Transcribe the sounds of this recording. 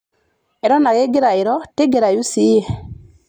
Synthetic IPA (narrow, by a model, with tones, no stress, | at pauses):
e˨ɾɔ˦na˨ɣe˦ɡe˦ɾa˨e˨ɾɔ˦te˦ɡe˨ɾa˨ju˦si˦ɛ˨